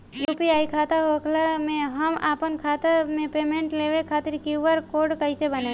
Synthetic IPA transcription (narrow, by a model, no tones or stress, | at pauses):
juːpiaːikʰaːt̪aɦokʰlamẽɦəmaːpənkʰaːt̪əmẽpeːmẽɳʈleːʋekʰaːt̪ɪɾkjuʋəɾkoːɾɖkəit͡ʃebɐnẽ